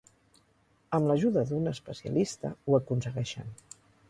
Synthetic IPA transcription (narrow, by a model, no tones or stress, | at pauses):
əmləʒuðəðunəspəsiə̰list̪ə̰uəkunsəɣɛʃə̰n